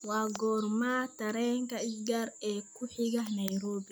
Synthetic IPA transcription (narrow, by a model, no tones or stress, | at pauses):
waːɡɔːɾmat̪ɐɾɛːŋkɐɪsɡaɾɛːkʰʊħɪɣɐhnɐjɾɔːbi